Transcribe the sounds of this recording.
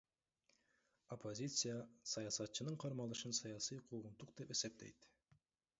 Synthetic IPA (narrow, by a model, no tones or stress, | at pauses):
opʰːozʲit̪sɨjasɑjɑsɑt̪̚t͡ʃɯnɯɴqʰɑɾmɑlˠɯʃɯnsɑjɑsijqʰuːʁunt̪uq̚d̪epe̞se̞p̚t̪e̞̰jt̪